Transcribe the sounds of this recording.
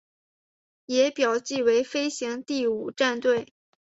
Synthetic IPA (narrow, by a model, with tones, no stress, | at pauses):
jɛ˧˥pjɑ˨˩ʊt͡ɕi˥˩we˧˥ɪfe˥ɪɕi˧˥ŋt̪i˥˩u˨˩ʈ͡ʂa˥˧nt̪we˥˩ɪ